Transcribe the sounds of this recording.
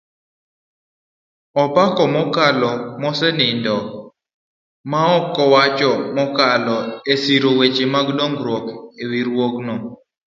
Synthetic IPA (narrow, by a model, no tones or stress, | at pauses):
ɔpakɔmɔkalɔmɔsɛnɪndɔ | maɔkːɔwat͡ʃɔmɔkalɔesiɾowet͡ʃemaɡdɔŋɡɾɔkewiɾwoknɔ